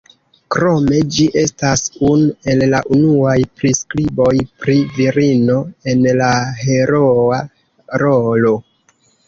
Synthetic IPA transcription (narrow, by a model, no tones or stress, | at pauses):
kɾo̞me̞d͡ʒiʔe̞stasunue̞lːaʔunuajpɾiskɾibo̞jpɾiviɾino̞e̞nlahe̞ɾoa | ɾolo̞